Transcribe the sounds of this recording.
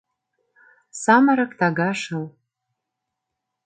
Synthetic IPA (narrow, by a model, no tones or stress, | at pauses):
samaɾakʼtʰaɡaʂal